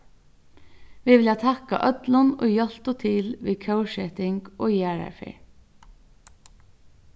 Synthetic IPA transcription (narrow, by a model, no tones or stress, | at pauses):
ʋɪʋɪljɑt̪ʰɑkɑ̰ʔœt̪lʊno̰ːjœl̥t̪ɔt̪ʰɪlʋiːkʰəʊʃɛt̪ɪŋɡoːjæːɹæ̰fɪ̰